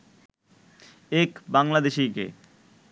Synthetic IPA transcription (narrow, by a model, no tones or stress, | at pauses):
ekbaŋlad̪eʃikḛ